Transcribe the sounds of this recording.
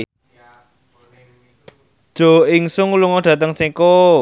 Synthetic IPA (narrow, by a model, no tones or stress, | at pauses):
d̥ʒ̥o̤ɪŋsʊŋluŋɔɖ̥ä̤t̪əŋsiko